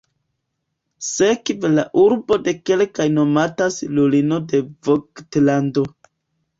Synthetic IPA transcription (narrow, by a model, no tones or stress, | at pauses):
sekvelaʔuɾbo̞de̞ke̞lkajno̞matasilulino̞de̞voktlando̞